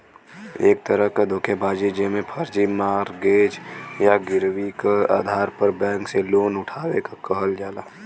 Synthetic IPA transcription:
ḛːk̚t̪əɾəɦkad̪ʱoːkʰebaːd͡ʒid͡ʒemẽpʰəɾd͡ʒimaːɾɡeːd͡ʒjaɡɪɾwikea̰ːd̪ʱaːɾpəɾbɛ̃ːŋkseloːnʊʈʰaːwekakəɦəld͡ʒaːlaː

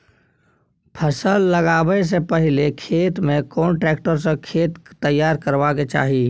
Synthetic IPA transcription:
pʰəsəlːəɡaːwes̬epəɦɪlekʰeːt̪mẽkɔːɳʈɾɛːkʈəɾs̬ekʰeːt̪t̪əjːaːɾkəɾʋaket͡ʃa̰ːɦiː

